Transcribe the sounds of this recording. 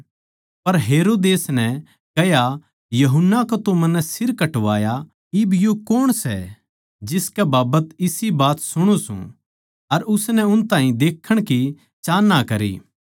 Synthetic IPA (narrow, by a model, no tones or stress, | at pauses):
pɐɾɦeːɾoːd̪eːsnɛ | kɐja | jɐɦʊnːakot̪omɐnːɛsɪɾkɐʈʋaːja | ɪbjokoːɽ̃sɛ̰ | d͡ʒɪskɛbaːbət̪ɪsibaːt̪sʊɽ̃usṵ̃ | ɐɾʊsnɛʊnt̪ãːɦĩd̪eːkʰːəɽ̃ki | t͡ʃaːnːakɐɾḭː